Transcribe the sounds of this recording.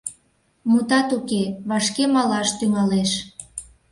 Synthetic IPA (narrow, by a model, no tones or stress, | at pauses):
mut̪ɑt̪ukeβɑʃkemɑlɑʃt̪yŋɑleʃ